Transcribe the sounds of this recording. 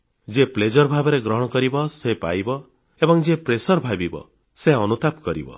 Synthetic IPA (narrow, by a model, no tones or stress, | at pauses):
d͡ʒepled͡ʒɔɾbʱabɔɾeɡɾɔɦɔɽɔkɔɾibɔsepa̰jbɔ | ebɔŋd͡ʒepɾesɔɾbʱabibɔ̰ | seɔnut̪apkɔɾḭbɔ̰